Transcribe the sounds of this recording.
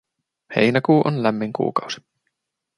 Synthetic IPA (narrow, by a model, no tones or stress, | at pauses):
hḛjnækuːʔonlæmːiŋkṵːkɑwsi̥